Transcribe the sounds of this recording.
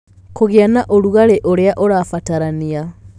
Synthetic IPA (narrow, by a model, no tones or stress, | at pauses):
koɣeanaʔoɾuɣaɾeʔoɾeaʔoɾafataɾania